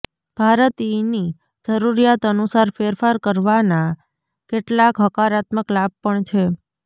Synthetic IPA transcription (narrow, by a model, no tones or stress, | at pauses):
b̥ʱaɾət̪ini | d͡ʒəɾuɾijat̪ənusaɾfeɾfaɾkəɾʋana | keʈlakɦəkaɾat̪məklab̚pəɳt͡ʃʰe